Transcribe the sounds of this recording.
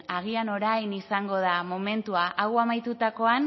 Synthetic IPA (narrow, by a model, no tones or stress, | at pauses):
aɣ̞iano̞ɾajnisaŋɡo̞ð̞amo̞me̞nt̪uaʔawamajt̪ut̪ako̞an